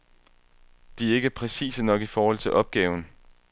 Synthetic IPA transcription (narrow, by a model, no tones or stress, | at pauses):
d̥iæɐe̝ɡ̥əpʰʁɛsḭːsənɒ̽ɡ̥ifɒːhɒ̽l̰t͡sʰe̝lʔɒ̽b̥̚ɡ̥ɛːʊn̩